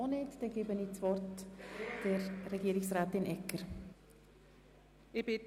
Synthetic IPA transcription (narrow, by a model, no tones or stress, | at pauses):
oneːtd̥ɛnɡ̥eːbəniːt͡svɔrtd̥eɾːɛɡ̥iːɾɪksɾaːtɪnʔɛkːəɾ | ɪb̥ɪt